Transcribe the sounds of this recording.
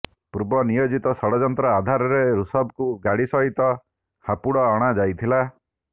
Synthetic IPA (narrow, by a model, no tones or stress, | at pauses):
puɾbɔnijod͡ʒit̪ɔsɔɽɔd͡ʒɔnt̪ɾɔad̪ʱaɾɔɾeɾusɔbkuɡaɽisɔɦit̪ɔ | hapuɽɔːɽ̃ad͡ʒajt̪ʰila